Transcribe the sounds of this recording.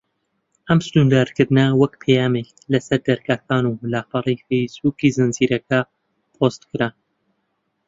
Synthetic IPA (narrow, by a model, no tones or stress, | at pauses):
ʔɐmst̪und̪aːɾkɨɾd̪ɨnɐwɐkpʰejaːmek | lɐsɐɾd̪ɐɾkaːkaːnulaːfɑrˤejfejsbuːkizɨnziːɾɐka | pʰost̪kɨɾa